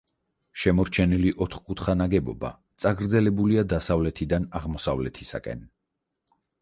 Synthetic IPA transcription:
ʃɛmɔɾt͡ʃʰɛniliʔɔt̪ʰχkʼut̪ʰχanaɡɛbɔ̰ba̰t̪sʼaɡɾd̪zɛlɛbuliad̪asavlɛt̪ʰid̪anaʁmɔsavlɛt̪ʰisa̰kʼɛ̰n

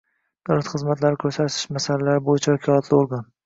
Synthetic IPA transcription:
d̪̥awlat̪χɨzmat̪laɾɪkʲʰɵɾsaɾt̪ʰɪ̥ʃmasalalaɾɪbojɪt͡ʃʰaakʲʰɒlat̪ʰlɪoɾɡan

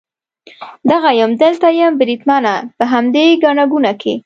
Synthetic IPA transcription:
d̪aɣajəmd̪əlt̪ajəmbɾit̪mɑnapəɦamd̪eɡɑnaɡunakʰe

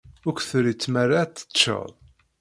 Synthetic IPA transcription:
ʊkʷθɾit͡sːmæɾat͡s̪ːə̥t͡ʃːə̰ðˤ

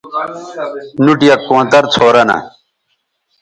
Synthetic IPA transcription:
nuʈijɐkːõːnt̪ɐɾt͡sʰoːɾɐnɐ̰

